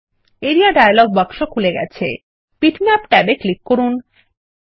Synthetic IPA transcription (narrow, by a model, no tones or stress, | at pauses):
eɾiaɖajalɔɡ̚bɔkʃokʰuleɡɛ̰t͡ɕʰḛ | piʈmɛpʈɛbeklikːoɾun